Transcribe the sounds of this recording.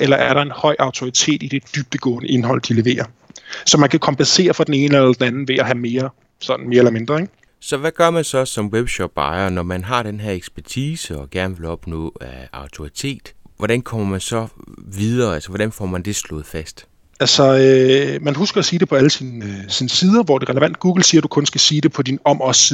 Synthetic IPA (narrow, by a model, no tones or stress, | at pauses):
ʔelɐʔæɐɾɑ̈e̝nhɒ̽ɪ̰ʔɑ̈ʊt͡sʰo̝it͡sʰe̝̰ːd̥id̥e̝d̥yb̥̚d̥əɡ̥ɔ̰̽ːnəʔe̝nɦɒ̽l̰d̥ile̝ʋe̝̰ːɐ | sɒ̽mænkʰækʰɒ̽mbʰense̝̰ːɐfʁɑ̈d̥ene̝ːnəelɐd̥enænn̩ʋe̝æɦæme̝ːɐ | sɒ̽d̥n̩me̝ːɐelɐme̝nd̥ʁɐeɡ̥ | sɒ̽ʋæɡ̥ɶɐmænsɒ̽sɒ̽mweb̥ɕɒb̥ɑ̈ɪɐnɒmænɦɑ̈d̥enɦeɐeɡ̥sb̥æɐt͡sʰiːsəɒ̽ɡ̥æɐnəʋe̝lɒ̽b̥nɔ̰̽ːæɑ̈ʊt͡sʰo̝ʁit͡sʰe̝̰ːd̥ʋɒɾ̥ænkʰɒ̽m̰ɐmænsɒ̽ʋiðˠɐːælsɐʋɒɾ̥ænfɒ̰ːmænd̥e̝slɔ̽ːð̩ˠfæsd̥ | ælsɒ̽ømænɦusɡ̥ɐːsiːd̥e̝pʰɒ̽æləsinsinəsiːðˠɐʋɒd̥e̝ʁɛləʋæn̰d̥̚ɡ̥uːɡ̥l̩siːɐd̥ukʰɔ̽nsɡ̥æsiːd̥e̝pʰɒ̽d̥inɒ̽mɒ̽s